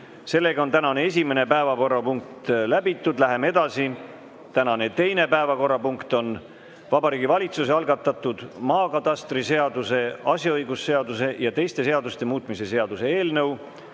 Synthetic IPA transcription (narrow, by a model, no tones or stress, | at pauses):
se̞lːe̞ɡɑo̞nt̪ænɑne̞e̞s̬ʲime̞ne̞pæevɑko̞rːɑpuŋk̚t̪læbit̪ːˑud̪̥læɦe̞mee̞d̪̥ɑsi | t̪ænɑne̞t̪e̞jne̞pæevɑko̞rːɑpuŋkt̪o̞n | vɑbɑɾiːɡivɑlʲit̪suseɑlɡ̥ɑt̪ːˑɑt̪ːˑud̪̥mɑːkɑt̪ɑst̪rise̞ɑd̪use̞ɑsʲjɑɤjɡ̥usːe̞ɑd̪use̞jɑt̪e̞jst̪e̞se̞ɑd̪ust̪e̞muːt̪ˑmise̞se̞ɑd̪̥use̞e̞ːlnɤw